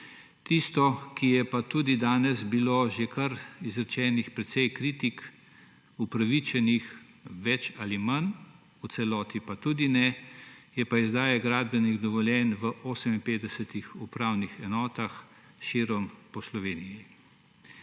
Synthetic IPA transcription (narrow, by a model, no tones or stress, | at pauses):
t̪ist̪ɔkijɛpat̪uːd̪id̪aːnɛzbiloʒekɐɾizɾɛt͡ʃɛːnixpɾɛt̪sɛjkɾit̪ik | upɾaʋit͡ʃɛnix | ʋɛt͡ʃaːliman | ut̪sɛlɔːt̪ipat̪uːd̪inɛjɛpaizd̪aːjɛɡɾaːd̪̚bɛniɣd̪ɔʋɔljɛːnʋəʔoːsɛminpeːd̪d̪ɛsɛt̪ixupɾaːwnixɛnɔːt̪ax | ʃiːɾɔmpɔslɔʋeːniji